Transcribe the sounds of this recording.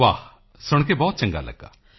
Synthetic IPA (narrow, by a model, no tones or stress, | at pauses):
ʋaː | sʊɽ̃kebɔːt̪̚t͡ʃɐ̃ŋɡa̰ːlə̰ɡːa̰ː